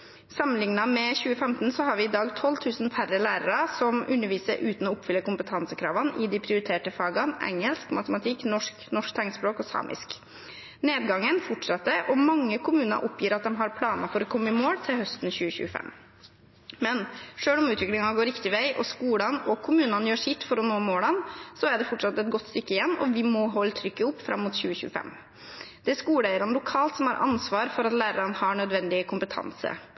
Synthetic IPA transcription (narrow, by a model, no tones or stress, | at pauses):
sɑmənlɪŋnɑmɛçʉːəfɛmt̪n̩sɔhɑɾʋɪɪd̪ɑːɡt̪ʰɔlːt̪ʰʉːsnfæɾəlæːɾəɾɑsɔmʉnːəɾʋiːsəɾʔʉːt̪n̩ɔʊpfʏlːəkʊmpət̪ʰɑnsəkʰɾɑ̰ːʋɑnʔɪd̪ɪpʰɾɪʊɾɪt̪ʰeːʈəfɑːɡɑnʔɛ̰ŋːəlskmɑt̪əmɑt̪ʰɪkːnɔʂknɔʂkt̪ʰɛŋt̪spɾoːkɔsɑ̰ːmʔɪ̰sk | neːd̪ɡɑŋːənfɔʈʂɑt̪ːəʔɔmɑŋːəkʰʊmʉːnə̰ɾʔʊpʰjiːɾɑt̪̚d̪ɛmɦɑɾpʰlɑːnəfɔɾɔkʰɔmːəmoːɽt̪ʰɪlhœst̪nçʉːəçʉ̰ːəfɛ̰m | mɛnʂøːlɔmʉːt̪ʋɪklɪŋɑɡoːɾɪkt̪ɪʋæɪʔɔskuːɽɑnɔkʰʊmʉːnɑnjøːʂɪt̪ːfɔɾɔnoːmoːɽɑnsɔæɖɛfɔʈʂɑt̪ːɛt̪̚ɡɔt̪ːst̪ʏkːəɪjɛnːɔ̰ʋɪmɔɦɔlːət̪ʰɾʏkːəʊpːfɾɑ̰mːʊːt̪ɕʉːəɕʉ̰ːəfɛ̰m | d̪̥ɛæʂkuːlæɪəɾɑnəlʊkʰɑːlt̪sɔmhɑɾʔɑ̰nsʋɑːɾfɔɾɑt̪læːɾəɾɑnhɑɳœd̪ʋɛnd̪ɪkʰʊmpət̪ʰɑ̰nsə̰